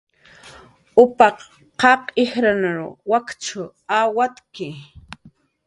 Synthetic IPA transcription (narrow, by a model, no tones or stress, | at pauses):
ʊpɑq | qɑqɪhɾanaɾʊwakt͡ʃʊ | awat̪kɪ